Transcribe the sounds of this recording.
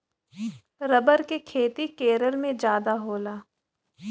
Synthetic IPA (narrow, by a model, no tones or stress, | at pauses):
ɾɐbəɾkekʰeːt̪ikeːɾəlmẽd͡ʒjaːd̪aɦoːlaː